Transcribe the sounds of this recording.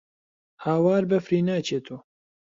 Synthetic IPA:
haːwaːɾbɐfɾiːnaːt͡ʃʰeːt̪ʰoː

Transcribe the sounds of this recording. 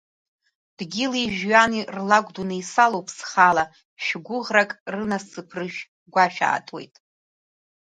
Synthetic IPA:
d̥ɡʲɪliʒᶣɥanirlaɡʷʼdunɨjsalowpʰsχala | ʃᶣɡʷʊʁrakʼrɨnassɨpʰrɨʃᶣ | ɡʷaʃᶣa̰ːtʼwe̞̰jtʼ

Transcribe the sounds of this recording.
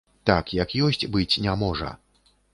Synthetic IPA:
t̪akjakjɔsʲt͡sʲbɨt͡sʲnʲamɔʐɐ̰

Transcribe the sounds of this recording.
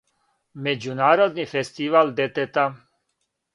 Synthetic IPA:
med͡ʒunaɾod̪nifest̪iʋald̪et̪et̪a

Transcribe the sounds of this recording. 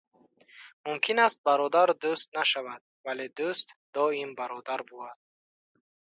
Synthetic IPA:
mumkʰinast̪̚baɾɔd̪aɾd̪ust̪̚naʃavad̪̥̚valed̪ust̪d̪ɔimbaɾɔd̪aɾbuad̪̚

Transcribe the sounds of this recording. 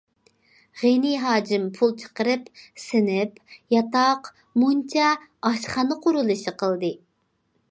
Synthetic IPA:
ʁeniɦɑːd͡ʒɪmpʰulˠt͡ʃʰə̥qəɾɨpsɪnɪpjɑt̪ɑq | munt͡ʃʰɑɑʃχɑnɨqʰʊɾulˠɨʃiqʰəlˠd̪ɨ

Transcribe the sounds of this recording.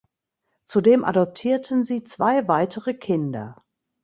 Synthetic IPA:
t͡sudeːmʔa̰dɔp̚tʰiːɐtʰən̩ziːt͡sv̥aɪvaɪtʰəʁəkʰɪndɐ̰

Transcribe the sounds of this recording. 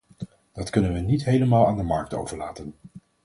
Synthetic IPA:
d̥ɑtkɵnənʋənitɦejləmaːlˠaːndəmɑɹk̚to̰wvəɹlaːtən

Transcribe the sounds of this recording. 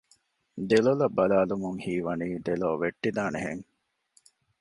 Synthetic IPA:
d̪elolɐbːɐlaːlumuŋhiːʋɐniːd̪eloːʋeʈːid̪aːneɦḛŋ

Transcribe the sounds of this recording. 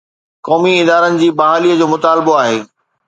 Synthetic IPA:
kɔːmiɪd̪aːɾənɪ̆d͡ʑiːbɐɦaːliːəd͡ʑoːmʊt̪aːlɪboaːɦeː

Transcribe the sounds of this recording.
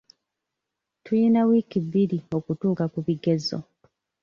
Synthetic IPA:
tujinawiːkiβiɾio̞kutuːkakuβiɡezo̰

